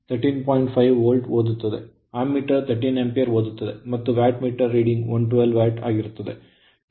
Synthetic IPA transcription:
t̪ʰɐɾʈːinpɔːjɪɳʈfɐɪʋoːlɖʋoːðɯt̪ːɐðɯ̰ | aːmːiːʈːɐɾt̪ʰɐɾʈːinɛmpɐjɐɾʋoːðɯt̪ːɐðɯmɐt̪ːɯʋaːʈmiːʈːɐɾːiːɖɪŋʋɔnʈʋɛlʋaːʈa̰ːɣɪɾɯt̪ːɐðɯ̰

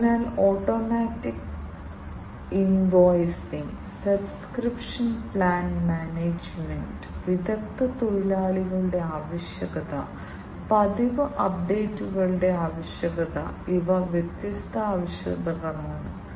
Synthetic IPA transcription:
naːloːʈːoːmaːtːik | inʋoːjsiŋɡ | sɐbskɾipʂɐnpɭaːnmaːneːd͡ʑmeɳɖɨʋiðɐk̚t̪ɐt̪oɻilaːɭiɣɐɭɨɽe̞aːʋɐɕjɐɣɐðɐ̰ | pɐd̪iʋɨʔɐp̚ɖeːtːuɣɐɭɨɽe̞aːʋɐɕjɐɣɐðɐ̰iʋɐʋjet̪jɐst̪ʰɐaːʋɐɕjɐ̰d̪ɐɣɐmaːɳɨ

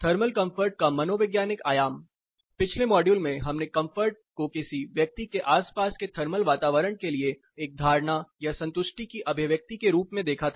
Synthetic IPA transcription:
t̪ʰɐɾməlkɐ̃mfəɾʈ̚kamɐnoːʋɪɡjaːnɪkaːjaːm | pɪt͡ʃʰlemɔːɖjuːlmẽɦɐmnekɐ̃mfʰəɾʈ̚ | kokɪsiʋjɐk̚t̪ikeʔaːspaːsket̪ʰɐɾməlʋaːt̪aːʋəɾəɳkelie | eːk̚d̪ʱaːɾɳajasɐ̃nt̪ʊʃʈikiʔɐbʱɪʋjək̚t̪ikeɾuːpmẽd̪eːkʰat̪ʰa

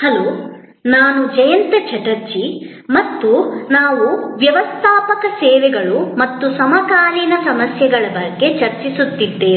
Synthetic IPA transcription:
hɐlo̞ː | naːnud͡ʒɐjɐnt̪ɐt͡ʃʰɐʈɐɾt͡ʃi | mɐt̪ːunaːʋuʋjɐʋɐst̪ʰaːpɐkɐsɛːʋɛɡɐɭumɐt̪ːusɐmɐkaːɾiːnɐsɐmɐsjɐɡɐɭɐbɐɡːe̞t͡ʃɐɾt͡ʃisut̪ːid̪ːe̞ː

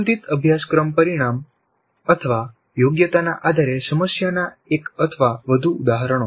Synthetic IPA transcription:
ənt̪it̪əbʱjaskɾəmpəɾiɽ̃am | ət̪ʰəʋa | joɡjət̪anaʔad̪ʱaɾesəməsjana | ekət̪ʰəʋaʋəd̪ʱuːd̪aɦəɾɳ̃o

